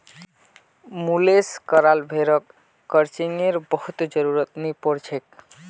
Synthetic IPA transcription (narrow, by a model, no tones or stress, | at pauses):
muleskəɾalbʱeɾəkː | əɾt͡ʃiŋeɾbəɦut̪d͡ʒəɾuɾət̪nipɔɾt͡ʃʰek